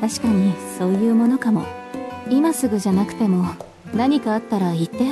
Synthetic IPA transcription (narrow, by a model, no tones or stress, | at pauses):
t̪aɕi̥kaɲ̟iso̞ːjɯ̟ːmo̞no̞kamo̞̰imasɨɡɯ̟ʑanakɯ̟̥t̪e̞mo̞ | naɲ̟ikaːt̪ːaɾait̪ːe